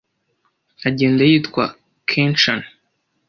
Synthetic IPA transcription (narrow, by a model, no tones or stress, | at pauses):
aɟe̞ːndajiːtkwa̰ | kʰent͡ʃan